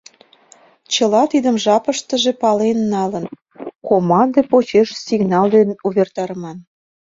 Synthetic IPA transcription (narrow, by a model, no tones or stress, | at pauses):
t͡ɕə̆lɑt̪id̪əmʒɑpəʃt̪ə̆ʒe̽pɑlenːɑlə̆n | komɑnd̪ɤpot͡ɕeʃsiɡnɑld̪enuβert̪ɑɾəmɑn